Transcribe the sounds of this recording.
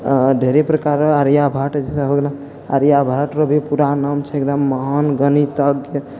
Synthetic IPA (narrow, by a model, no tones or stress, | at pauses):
ɖʱeɾepɾəkaɾaɾjabʱaʈd͡ʒesəɦəɡla | a̰ɾjabʱaʈɾəbʱipuɾanəmt͡ʃʰɛekd̪əmːəɦanɡənit̪əɡjə